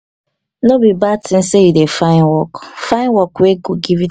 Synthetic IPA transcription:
nobibatʰĩnsejudefãɪ̃nwɔkfãɪ̃nwɔkweɡoɡivi

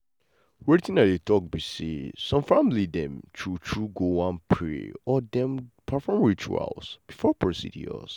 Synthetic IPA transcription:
wɛtĩnadetʰɔk̚bisḭsɔ̃mfãmlidɛ̃mtʰutʰɹuɡowãnpʰɹḛɔdɛ̃mpʰafɔmwitʰṵa̰ʊsb̥ifɔpʰɹosḭdḭɔ̰s

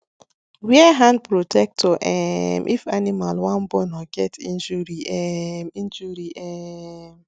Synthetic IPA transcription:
wiɛɦãnd̚pɹotʰɛk̚tʰɔʔɛ̰mʔḭfanimalwãnbɔnɔɡ̥ɛtḭ̃nd͡ʒuɾiʔɛmĩnd͡ʒuɾiʔɛm

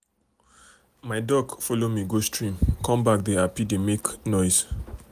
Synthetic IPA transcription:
maɪdɔɡfɔlomiɡostɹĩmkɔ̃mbak̚deapidemeknɔjs

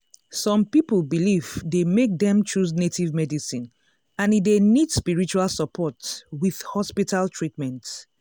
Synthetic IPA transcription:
sɔ̃mpiplbilivdemek̚dɛ̃mt͡ʃus̬netivmɛdisĩn | ãnidenidspiɹit͡ʃualˠsɔpʰɔtwið̥hɔspitaltʰɹitmɛ̃nt

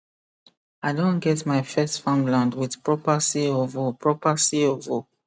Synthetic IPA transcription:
aɪdõnɡɛtmaɪfɛstfãmlãndwɪð̥pɹɔpasiɔvopʰɹɔpasiɔvo

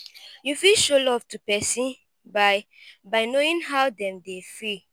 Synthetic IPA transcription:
jufilʃolɔv̥tupɛsĩn | baɪ | baɪnoĩnɦawdɛ̃mdefi

